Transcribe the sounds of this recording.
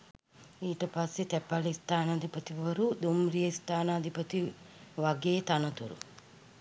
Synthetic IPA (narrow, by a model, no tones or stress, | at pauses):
iːʈɐpaːsit̪epːaːlist̪ʰaːnɐd̪ʱipɐt̪iʋɐɐɾud̪umɾijɐst̪aːnɐːd̪ʱipɐt̪iʋaɡeːt̪aːnɐt̪uɾṵ